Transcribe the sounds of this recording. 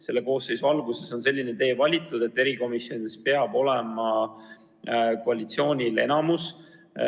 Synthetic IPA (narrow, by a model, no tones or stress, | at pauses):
se̞lːeko̞ːsːe̞jsuɑlɡuse̞so̞nse̞lʲːinet̪e̞ːvɑlʲit̪ːˑud̪̥e̞t̪ːe̞ɾiko̞misjo̞nid̪espe̞ɑbo̞lemɑ | ko̞ɑlʲit̪sio̞ːnʲile̞̰nɑmus